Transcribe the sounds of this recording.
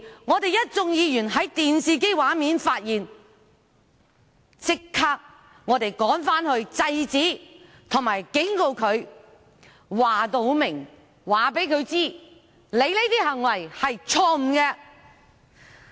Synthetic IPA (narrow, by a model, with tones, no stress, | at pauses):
ŋɔː˨˧t̪e˨jɐ˥t̚t͡sʊ˧ŋjiː˨˧jyː˨˩nɦɐ˨˥jt̪iː˨nsiː˨k̬e˥jwaː˨˥miː˨˧nfaː˧t̚jiː˨n | t͡sɪ˧kʰːaː˧k̚ | ŋɔː˨˧t̪e˨jkɔː˨˥ŋfaː˥nhɵ˧ɥt͡sɐ˧jt͡siː˨˥ | t̪ʰʊ˨˩ŋmaː˨˩jkɪ˨˥ŋko˧wkʰɵ˨˧ɥ | waː˨t̪o˨˧wmɪ˨˩ŋ | waː˨pe˨˥jkʰɵ˨˧ɥt͡siː˥ | le˨˧jle˨˥jt̪iː˥ɦɐ˨˩ŋwɐ˨˩jhɐ˨jt͡ʃʰɔː˧m̩˨˩kɛː˧